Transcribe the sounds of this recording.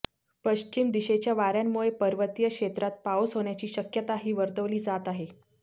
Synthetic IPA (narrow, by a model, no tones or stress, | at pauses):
pəɕt͡ɕimd̪iɕet͡ɕjaʋaɾjamːuɭepəɾʋət̪ijəkʂet̪ɾat̪̚paosɦoɳ̃jat͡ɕiːɕəkjət̪aɦiːʋəɾt̪əʋliːd͡zat̪aɦe